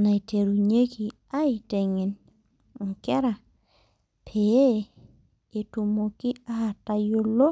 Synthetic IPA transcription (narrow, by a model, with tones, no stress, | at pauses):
na˨i˨te˨ɾu˨ɲe˦ki˨ | a˦ɪ˨te˨ŋɪ˨n | ŋ̩˨kɛ˦ɾa˨ | pʰe˨e˦ | e˨tu˨mo˨kɪ˦a˦ha˨ta˨jo˦lo˦